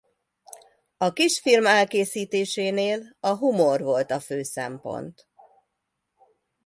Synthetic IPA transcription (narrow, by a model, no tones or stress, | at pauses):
ɒkiʃfirmɛlkeːsiːt̪eːʃeːneːlɒɦumo̞rʋo̞lt̪ɒføːsɛ̰mpo̞̰nt̪